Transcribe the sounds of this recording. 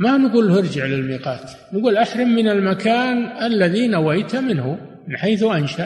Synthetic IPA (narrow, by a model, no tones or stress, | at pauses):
manɡuːlːhɪɾd͡ʒɪʕlɪlmiːqɑːt̪ | nɡuːlʔaħɾɪmːɪnalmakʰaːnʔalːaðinawajt̪mɪnhʊmɪnħeːθʔanʃaʔ